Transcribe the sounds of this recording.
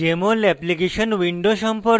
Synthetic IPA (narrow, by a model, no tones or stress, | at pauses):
emolɛplikeɕənʋĩɳɖoɕə̃mpəɾ